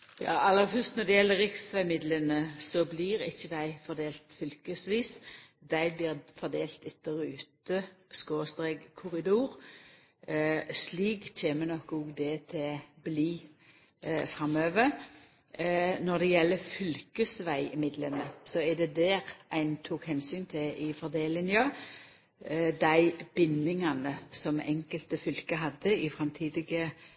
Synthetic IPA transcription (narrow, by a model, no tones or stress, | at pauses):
jɑ̰ːʔɑlːəfœst̪nɔd̪ɛjɛlːəʁɪksʋæɪmɪd̪lənəsɔbliːɾɪ̰çːəd̪æɪfɔʁd̪eːlt̪fʏlkəsʋiːsd̪æɪblɪːʁfɔʁd̪eːlt̪ɪt̪ːəɾʉːt̪əskoːst̪ɾeːɡkʰːʊʁɪd̪uːɾ | sliːɡc͡çʰeːmənɔkːuɡd̪ɛt̪ʰɪbliː | fʁɑmøːʋəʁ | nɔd̪ɛjɛlːəfʏlkəsʋæɪɪmɪd̪lənəsɔɛd̪ɛd̪æːʁæɪnt̪ʰuːkhɛnsyːnt̪ʰɪɪfɔʁd̪eːlɪnjøː | d̪æɪb̥ɪnːɪŋɑnəsɔmɛ̰ŋkəlt̪əfʏlkəɦɑd̪əɪfʁɑmt̪ʰiːd̪ɪɡə